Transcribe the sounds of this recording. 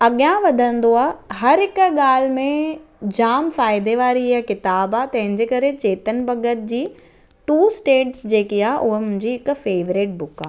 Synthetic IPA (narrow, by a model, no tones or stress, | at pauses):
ɐɠjãʋɐd̪ʱə̃nd̪oaːɦɐɾɦɪkɠaːl̤mẽd͡ʑaːmfaːɪd̪eʋaːɾijakɪt̪aːbaːt̪ɐ̃ɦɪ̃ɲd͡ʑeːkɐɾet͡ɕeːt̪ənbɐɡət̪̚d͡ʑiː | ʈuːsʈeːʈsd͡ʑeːkiaːɦeʔʊɦmʊ̃ɦɪ̃ɲd͡ʑiɪkfeːʋɾɪʈ̚bʊkaː